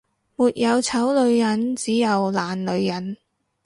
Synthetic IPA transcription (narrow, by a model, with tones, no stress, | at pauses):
muː˨t̚jɐ˨˧wt͡sʰɐ˨˥wlɵ˨˧ɥjɐ˨˥nt͡siː˨˥jɐ˨˧wlaː˨˩nlɵ˨˧ɥjɐ˨˥n